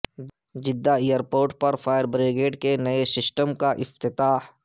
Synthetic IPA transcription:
d͡ʒɪd̪ːaijəɾpoːɾʈ̚pɐɾfaːjəɾbɾeːɡeːʈkenɐesɪsʈəmkaʔɪft̪ɪt̪aːh

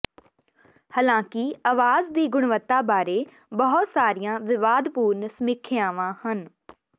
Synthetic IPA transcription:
haːlãːkɪaʋaːzd̪iːɡʊɳʋət̪ːaːbaːɾeː | bəɦʊt̪saːɾijãːʋɪʋaːd̪puːɾnsəmɪkʰeãːʋãːhən

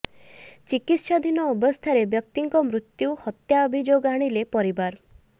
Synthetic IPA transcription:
t͡ʃikit̪ʃad̪ʱinɔubɔst̪ʰaɾebjɔk̚t̪iŋkɔmɾut̪juhɔt̪jaːbʱid͡ʒoɡaɽ̃ilepɔɾibaɾ

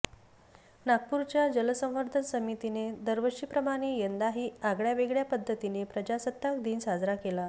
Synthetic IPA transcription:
naɡ̚puɾt͡ɕjad͡ʑələsə̃w̃ʋəɾd̪ʱənsəmit̪ined̪əɾʋəɕiːpɾəmaɽ̃ejənd̪aɦiːaɡɭjaʋeɡɭjapəd̪ʱːət̪inepɾəd͡ʑasət̪ːakd̪iːnsad͡zɾakela

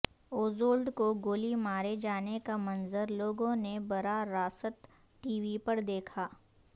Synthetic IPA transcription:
oːzoːlɖkoɡoːlimaːɾed͡ʒaːnekamɐ̃nzəɾloːɡõnebɐɾaɾaːsət̪ | ʈiːʋipɐɾd̪eːkʰaː

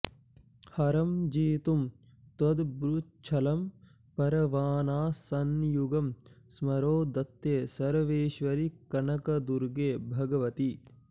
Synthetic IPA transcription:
hɐɾɐmd͡ʒiːt̪um | t̪wɐd̪bɾut͡ʃʰɐlɐm | pɐɾɐʋaːnaːsɐnjuɡɐmsmɐɾoːd̪ɐt̪ːjeːsɐɾʋeːʃʋɐɾikɐɳɐkɐd̪uɾɡeːbʱɐɡɐʋɐt̪i

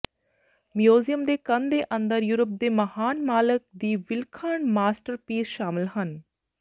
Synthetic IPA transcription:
mjuːzijəmd̪eːkənd̪eːʔə̃nd̪əɾjuːɾəp̚d̪eːməhaːnmaːlək̚d̪iːʋɪlkʰəɳmaːsʈəɾpiːsʃaːmɪlɦən

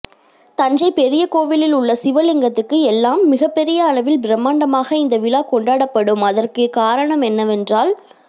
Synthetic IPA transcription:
t̪ɐɲd͡ʒɐɪpɛɾɪjɐkoːʋɪlɪlʊɭːɐsɪʋɐlɪŋɡɐt̪ːɯkːɯɛlːaːmːɪɣɐpːɛɾɪjɐːɭɐʋɪlbɪɾɐmːaːɳɖɐmaːɣɐɪnd̪ɐʋɪlaːkɔɳɖaːɽɐpːɐɽɯmɐðɐrkekaːɾɐɳɐmɛnːɐʋɛndraːl

